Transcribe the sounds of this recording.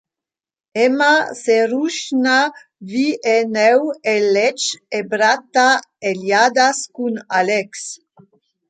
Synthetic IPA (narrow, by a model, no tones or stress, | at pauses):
ɛmaseɾuʃna | viʔenɛwelɛt͡ʃebɾat̪aeljad̪askunalɛks